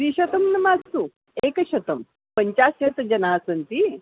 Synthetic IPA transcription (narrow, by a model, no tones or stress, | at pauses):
ɾiːɕɐt̪əmnɐmad͡zt̪u | ekəɕɐt̪əm | pəɲt͡ɕaset̪əd͡ʑɐnasənt̪i